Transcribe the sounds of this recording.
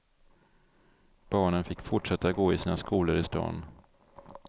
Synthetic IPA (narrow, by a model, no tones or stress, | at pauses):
b̥ɑːɳənfɪkːfʊʈʂɛt̪ːaɡoːɪsiːnaskuːləɾɪst̪ɑ̰ːn